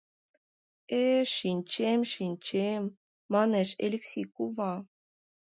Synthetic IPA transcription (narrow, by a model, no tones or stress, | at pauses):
eʃinʲt͡ɕemʃinʲt͡ɕemː | ɑneʃḛlʲeksʲijkuβɑ